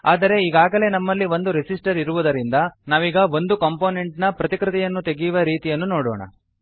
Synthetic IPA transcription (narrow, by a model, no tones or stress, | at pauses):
a̰ːd̪ɐɾe̞iɡaːɡɐle̞ːnɐmːɐlːiʋo̞nd̪uɾisisʈɐɾiɾuʋud̪ɐɾind̪ɐnaːʋiːɡɐʋo̞nd̪ukɐmpo̞ːne̞ɳʈnɐpɾɐt̪ikɾit̪ɛjɐnːut̪e̞ɡijuʋɐɾiːt̪ijɐnːuno̞ːɽo̰ːɳɐ̰